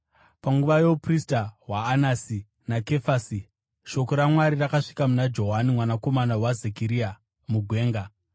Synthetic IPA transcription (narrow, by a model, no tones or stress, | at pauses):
paŋɡuʋajo̞pristawaːnasi | nake̞fasi | ʃo̞ko̞ɾamwaɾirakaʂi̥kamunad͡ʒo̞ɦanimwanako̞manawazekiɾia | muɡʱwe̞ːŋɡa